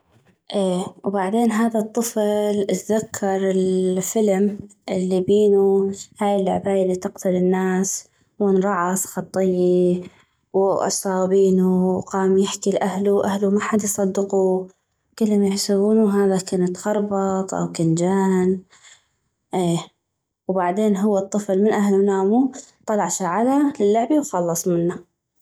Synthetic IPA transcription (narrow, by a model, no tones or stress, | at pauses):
ʔeːwbaʕd̪eːnɦaːðat̪ˤːɨflt̪ðakʰːɑɾˤɪlfɪlmʔɪlːibiːnuhaːjɪlːʊʕbaːjɪlːit̪ɪqt̪ʰʊlɪnːaːs | wʊnɾˤɑʕɑsxɑt̪ˤːɨjːi | wʔɑ̰sˤɑːbiːnuwqɑːmjɪħkilʔahluʔahlumaħad̪jsˤɑd̪ːɪqu | kɪlːʊmjɪħsabuːnuɦaːðakaːnɪt̪xɑɾˤbɑt̪ˤʔa̰wkand͡ʒaːn | ʔeː | wbaʕd̪eːnɦʊwːɪt̪ˤːɨflmɪnʔahlunaːmut̪ˤɑlɑʕʃaʕalalɪlːʊʕbiwxɑlːɑsˤmɪnːa